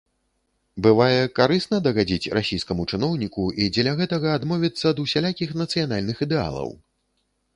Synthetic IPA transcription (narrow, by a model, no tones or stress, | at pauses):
bɨvajɛkaɾɨsnɐd̪ɐɣad͡zʲit͡sʲrʔasʲejskɐmut͡ʂɨnɔwnʲikuid͡zʲɛlʲɐɣɛt̪ɐɣɐːd̪mɔvʲit̪sːɐd̪usʲalʲakʲixnɐt̪sɨjan̪alʲnɨxid̪ɛa̰lˠɐ̰w